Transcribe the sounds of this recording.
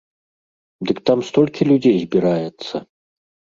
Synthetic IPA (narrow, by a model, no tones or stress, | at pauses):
d̪ɨkt̪amst̪ɔlʲkʲilʲud͡zʲejzʲbʲiɾajɛt̪sːɐ̰